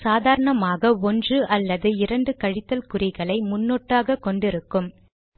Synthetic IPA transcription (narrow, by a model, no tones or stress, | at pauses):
saːðaːɾɐɳɐmaːɣɐɔndrɯʔɐlːɐðɯɪɾɐɳɖɯkɐɻɪt̪ːɐlkʊrɪɣɐɭɐɪmʊnːoːʈːaːɣɐkːɔɳɖɪɾɯkːɯm